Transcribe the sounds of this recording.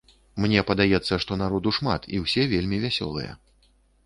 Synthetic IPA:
mnʲɛpɐd̪ajɛt̪sːɐʂt̪ɔnaɾɔd̪uʂma̰t̪ʰḭwsʲɛvʲelʲmʲivʲasʲɔ̰lˠɨ̰jɛ̰

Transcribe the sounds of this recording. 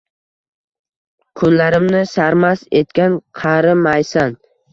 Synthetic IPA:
kʰʊnlaɾɪmnɪsaɾmase̞t̪̚kʲanqʰɑɾɪmajsan

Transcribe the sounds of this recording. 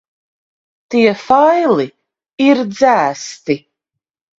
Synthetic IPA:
t̪iɛfajlˠi | iɾd̪zæːst̪i

